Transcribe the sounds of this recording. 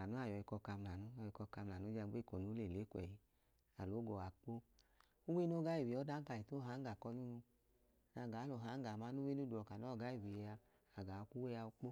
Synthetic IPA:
a˨nu˨˦a˦˨jɔ˨i˧kɔ˧ka˧m˧la˨nu˦ɔ˧i˧kɔ˧ka˧m˧la˨u˨˦d͡ʒa˧˨ɡ͡be˦˨ko˨nu˨˦le˨le˨˦kʷɛ̰˨ji˨ | a˨lo˨˦ɡɔ˨a˨k͡po˦ | u˦we˦no˦ɡa˦i˨wi˨˦ɔ˨˦da˦ka˧˨i˨to˦ɦa˨˦ŋ˦ɡa˨kɔ˧lu˦nu˧˨ | na˧˨ɡa˨˦lo˨ɦa˨˦ɡa˨ma˦nu˦we˦u˦du˨ɔ˨ka˨nɔ˦ɔ˦˨ɡa˦i˦˨wi˨a˧ | a˨ɡa˨˧ku˦we˦ja˧u˦k͡po˦

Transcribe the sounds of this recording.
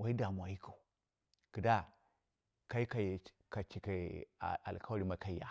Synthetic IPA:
wa˦i˦da˨mu˨a˨ji˦ko˨ | ɡ̥ə˨da˦ | ka˦i˦ka˨j | ka˨t͡ʃi˨ka˨a̰˨lka˦ɾi˦ma˦ka˦i˦ja̰˨

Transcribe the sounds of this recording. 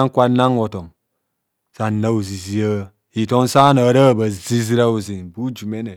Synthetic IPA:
a˦ŋ̩˦kʷa˦na˦ŋo˨to˨m | sa˨na˦u˨zi˨zi˦a˦ | i˨to˦n˦sa˦na˨˦ɾa˦˨ba˨zi˦zi˦ɾa˦u˨zi˨nbu˦d͡ʒu˨me˦ne˨

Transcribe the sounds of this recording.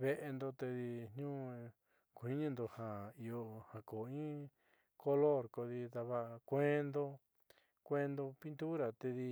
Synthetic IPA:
βe˧ʔe˧nd̪o˧t̪e˧ði˧ɲɲũ˦ | kʷi˦ɲĩ˦nd̪o˧ha˨i˧o˧hã˨ko˨ĩ˦ | ko˧lo˦˨ɾko˧ði˧t̪a˧βa˦˧kʷẽ˦nd̪o˧ | kʷe˦nd̪o˧pi˦nt̪u˦ɾa˨t̪e˧ði˧

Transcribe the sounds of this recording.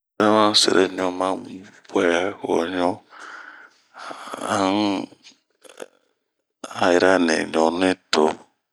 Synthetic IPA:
ɾɛ˦mã˦sɛ̰˨ɾʔɛ̰˦ɲɔ̃˨mã˦bɛ˦ɔ̰˨ɲɔ̃˦ | a˨˦n˦ | a˨ji˨ɾa˦nḛ˨ɲɔ˨nẽ˦to˨

